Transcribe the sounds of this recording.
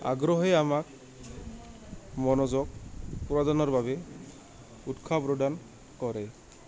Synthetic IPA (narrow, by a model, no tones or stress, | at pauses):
a̰ɡɾɔɦeamak̚ | mɔnɔzɔk̚puɾɔd̪anɔɹbabɛ | utkʰapɾoɖan | kɔɾɛ